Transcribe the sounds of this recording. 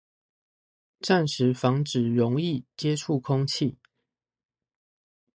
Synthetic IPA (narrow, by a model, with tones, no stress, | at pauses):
ʈ͡ʂa˥˨nʂɻ̩˨˦fɑ˧˥ŋʈ͡ʂɻ̩˨˩ɻʊ˨˦ŋi˥˨t͡ɕjɛ˦ʈ͡ʂʰu˥˨kʰʊ˦ŋt͡ɕʰi˥˨